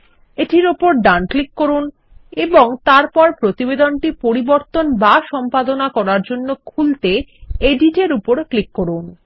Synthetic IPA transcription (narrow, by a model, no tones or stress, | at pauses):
eʈiɾopoɾɖanklikːoɾun | eboŋt̪aɾpɔɾpɾot̪ibed̪onʈipoɾiboɾt̪onbaʃɔmpad̪onakɔɾaɾd͡ʑonːokʰult̪eeɖiʈeɾupoɾklikːoɾun